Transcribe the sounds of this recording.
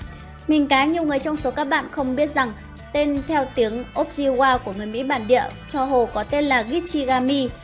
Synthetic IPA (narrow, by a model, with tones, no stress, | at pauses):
mï˨˩ŋ̟kaː˨˦ɲi˨˩əwŋɨ˨˩əjt͡ɕɔ˧wŋ͡mso˨˦kaː˦˥k̚ɓa̰ː˧˨nxə˧wŋ͡mɓi˦˥ət̚za˨˩ŋ | t̪e˧nt̪ʰɛ˧wt̪i˨˦əŋʔo˦˥p̚zi˧ɣwaː˧ku˧˩əŋɨ˨˩əjmḭ˧˥ɓaː˧˨nɗḭ˧˨ət͡ɕɔ˧ɦo˨˩kɔ˨˦t̪e˧nlaː˨˩ɣi˦˥t̚t͡ɕi˧ɣaː˧mi˧